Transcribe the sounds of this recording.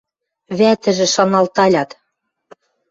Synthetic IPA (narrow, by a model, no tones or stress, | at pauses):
βæt̪ɘ̆ʒɘ̆ʃɑnɑlt̪ɑlʲɑt̪